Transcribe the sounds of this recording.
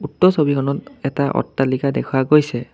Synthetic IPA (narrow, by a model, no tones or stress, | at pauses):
utːɔsobikʰɔnɔtɛtaʔɔ̰tːalikadɛkʰuwaɡojsɛ